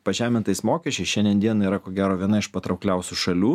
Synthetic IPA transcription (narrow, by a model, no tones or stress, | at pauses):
pɐʒʲæːmʲɪnt̪ɐɪsmoːkʲɛʃt͡ʃʲɛɪsʃʲɛnd̪ʲiɛnd̪ʲiɛniːɾɐkoːɡʲæːɾoːʋʲiɛnɐɪʃpɐt̪ɾɐʊklʲɛʊsʲuːʃɐlʲuː